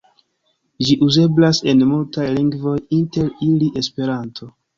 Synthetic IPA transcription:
d͡ʒiʔuze̞blase̞nmultajliŋɡvo̞jinte̞ɾiliʔe̞spe̞ɾantʰo̞

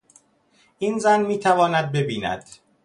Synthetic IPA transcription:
ʔiːnzænmiːt̪ʰævɒːnæd̪̚be̞biːnæ̰d̪̥

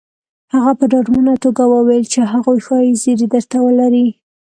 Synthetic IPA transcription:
haɣapəɖɑɾmunat̪oɡawəwajlt͡ʃeɦaɣojxɑjizeɾid̪əɾt̪awəlaɾi

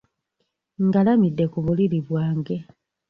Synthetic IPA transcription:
ŋɡalamidːe̞kuβuliɾiβwaːŋɡe̞

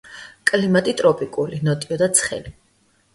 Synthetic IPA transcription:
kʼlimat̪ʼit̪ʼɾɔpʼikʼulinɔt̪ʼiɔd̪at̪sʰχɛ̰li

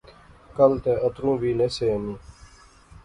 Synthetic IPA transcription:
kəlt̪eːʔət̪ɾũːʋiːneːseːəmĩː

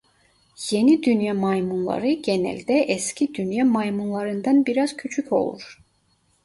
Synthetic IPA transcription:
je̞nid̪ynjɑmɑjmunlˠɑ̰ɾɯɟenæ̰lʲd̪ɛʔɛscʰid̪ynjamɑjmunlˠɑɾɯnd̪ɑnbiɾaz̥cʰyt͡ʃʰycʰo̞̰lˠṵɾ̥

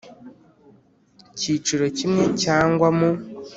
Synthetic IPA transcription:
ciːt͡ʃuɾo̞cimŋe̞caːŋɡwamu

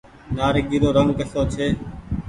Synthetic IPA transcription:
naːɾɪɡiːɾoːɾəŋɡkəsoːt͡ʃʰeː

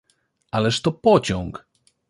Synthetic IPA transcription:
alɛʂt̪ɔpɔt͡ɕɔ̃ŋk

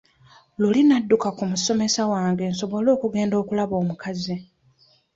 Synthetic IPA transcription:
lulinadːukakumuso̞me̞sawaːŋɡe̞ːnso̞βo̞lo̞ːkuɡe̞ːndo̞ːkulaβo̞ːmukazi

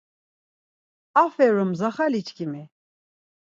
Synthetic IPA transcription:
afɛɾumzaχalit͡ʃʰkʰimi

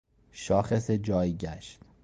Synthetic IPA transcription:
ʃɒːxe̞sed͡ʒɒːjɟæʃt̪

